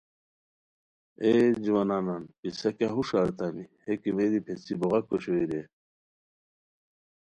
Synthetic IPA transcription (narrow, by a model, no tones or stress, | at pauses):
ed͡ʑuwɐnaːnanpisɐkaɦuʂaːɾt̪amihekimeɾipʰet͡siboʁɐkːoɕoiɾe